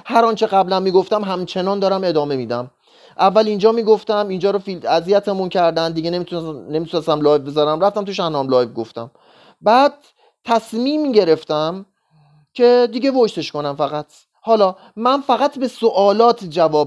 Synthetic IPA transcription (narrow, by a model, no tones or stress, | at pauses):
hæɾɒːnt͡ʃʰe̞ɣæblænmiːɡo̞ft̪æmɦæmt͡ʃʰe̞nɒːnd̪ɒːɾæme̞d̪ɒːme̞miːd̪æm | ʔævːælind͡ʒɒːmiːɡo̞ft̪æmind͡ʒɒːɾofilæzijæt̪ʰemuncʰæɾd̪ænd̪iɡenemit̪nemit̪ʰunest̪æmlɒːjvbezɒːɾæmɾæft̪æmt̪ʰuʃæhnɒːmlɒːjvɡoft̪æ̰m | bæːd̪̥̚ | t̪ʰːæsmiːmiɟe̞ɾe̞ft̪æm | cʰe̞d̪iːɟevoʃt̪e̞ʃko̞næmfæɣæt̪ʰ | hɒːlɒː | mænfæɣæt̪ʰbesoʔɒːlɒːt̪ʰd͡ʒævɒː